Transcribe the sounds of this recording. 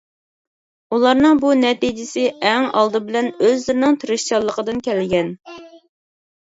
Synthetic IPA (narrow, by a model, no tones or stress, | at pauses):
ulˠɑɾnɨŋbunɛt̪id͡ʒɪsɪɛŋɑ̰lˠd̪ɨbɪlɛnøzlɪɾɪnɪŋt̪ʰɨɾɨʃt͡ʃɑlˠːəqəd̪ɨnkʲʰɛlɡʲɛn